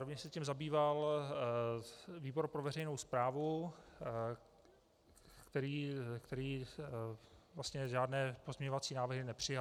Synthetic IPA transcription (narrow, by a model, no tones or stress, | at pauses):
ovɲɛʃsɛcimzabiːval | viːbo̞ɾpɾovɛɾɛjnowspɾaːvu | kt̪ɛɾiːkt̪ɛɾiː | vlast̪ɲɛʒaːdnɛːpo̞zmɲɛɲovat͡siːnaːvɾɦɪnɛpr̝̥ɪja